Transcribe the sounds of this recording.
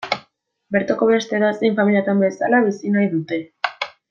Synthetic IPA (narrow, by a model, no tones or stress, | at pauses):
be̞ɾt̪ako̞βe̞st̪e̞ɾasejɱfamilijat̪ambe̞salaβisinajðut̪e̞